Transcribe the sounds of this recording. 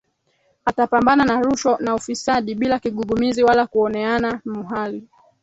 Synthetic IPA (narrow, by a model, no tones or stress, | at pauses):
atapambananaɾuʃɔnaufisaɗiɓilakiɠuɠumiziwalakuɔnɛanamuɦali